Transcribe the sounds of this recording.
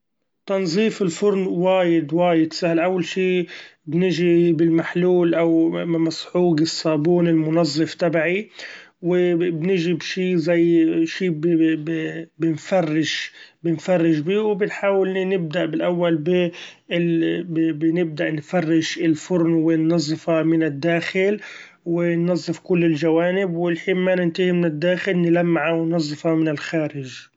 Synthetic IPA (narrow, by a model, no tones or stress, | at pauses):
t̪ɑnzˤiːfɪlfʊɾnwaːjɪd̪waːjɪd̪sahlʔawːalʃiːbnɪʒibɪlmaħluːlʔawmasħuːɡɪsˤːɑːbuːnɪlmʊnɑzˤːɨft̪abaʕi | wɪbnɪʒibʃiːzajʃiːb | bɪnfarˤːɪʃbɪnfarˤːɪʃbiːwbɪnħaːwɪlnɪb̚d̪aʔbɪlʔawːalbɪɪbbnɪb̚d̪aʔnfarˤːɪʃɪlfʊɾnwɪnːɑzˤːɨfɑmɪnɪd̪ːaːxɪl | wɪnːɑzˤːɨfkʊlːɪlʒawaːnɪbwɪlħiːnmanɪnt̪ɪhimɪnɪd̪ːaːxɪlnɪlamːaʕawɪnnɑzˤːɨfɑmɪnɪlxaːɾɪʒ